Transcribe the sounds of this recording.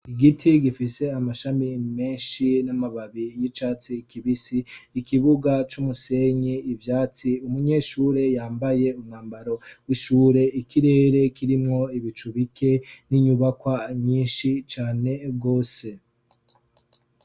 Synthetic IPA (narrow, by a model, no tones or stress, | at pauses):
iɡitʰiɡifise̞amaʃamime̞ːnʃinamaβaβijit͡ʃaːt͡sikiβisiːkiβuɡat͡ʃumuse̞ɲiːvjaːt͡siumuɲe̞ʃuːɾe̞jaːmbaje̞umŋaːmbaɾo̞wiʃuːɾe̞ikiɾe̞ːɾe̞kiɾimŋo̞iβit͡ʃuβikʰe̞niɲuβakwaɲiːnʃit͡ʃaːne̞bɡo̞ːse̞